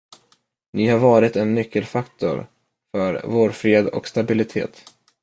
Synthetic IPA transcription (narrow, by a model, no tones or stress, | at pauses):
nɪhaɾvɑːɾɪt̪ɛnːʏkːəlfakt̪ʊ̰ɾ | fœɾvoːɾfɾeːd̪ɔ̰kst̪abɪlɪt̪ʰḛːt̪